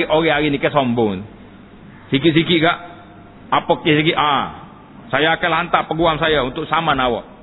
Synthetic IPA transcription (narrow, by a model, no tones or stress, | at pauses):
iʔoɡɛaɾinikɛsɔmbɔŋn | sikiʔs̬ikiʔɡaʔ | apɔkɛsik̬iʔa | sajaːkɛlant̪apəɡuamsajaunt̪ʊk̚samanawɔ̰ʔ